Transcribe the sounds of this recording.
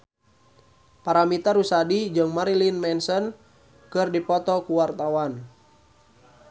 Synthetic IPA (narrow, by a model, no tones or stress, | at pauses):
paɾamit̪aɾusadid͡ʒɨŋmaɾilinmɛnsɔn | kɨrdipɔt̪ɔkuwart̪awan